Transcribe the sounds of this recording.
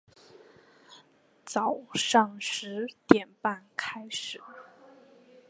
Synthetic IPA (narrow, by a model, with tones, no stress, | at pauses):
t͡sɑ˨˩ʊʂɑ˥˩ŋʂɻ̩˧˥t̪jɛ˨˩npa˥˩nkʰa˥ɪʂɻ̩˨˩˦